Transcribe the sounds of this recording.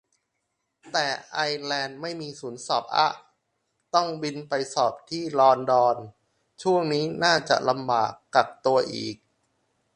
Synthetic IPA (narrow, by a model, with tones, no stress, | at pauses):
t̪ɛː˨˩ʔa˧jlɛː˧nma˥˩jmiː˧suː˩˦nsɔː˨˩p̚ʔa̰˦˥ʔ | t̪ɔ˥˩ŋwi˧npa˧jsɔː˨˩p̚t̪ʰiː˥˩lɔː˧ndɔː˧n | t͡ɕʰu˥˩əŋniː˦˥naː˥˩t͡ɕa̰˨˩ʔla˧mbaː˨˩kːa˨˩p̚t̪u˧ɐʔḭː˨˩k̚